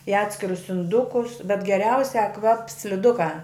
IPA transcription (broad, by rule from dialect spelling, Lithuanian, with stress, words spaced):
ɪ ˈɑːtʲsʲkʲɪrʊs ɪnˈdʊkʊs bʲɛt ɡʲɛˈrʲɛʊsʲæː ˈkʋɐps sʲlʲɪˈdʊkɑː